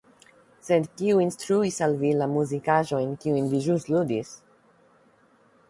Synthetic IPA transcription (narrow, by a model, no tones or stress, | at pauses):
sed̪kiuinstɾuisalvilamuzikaʒo̞jnkiujnviʒustludis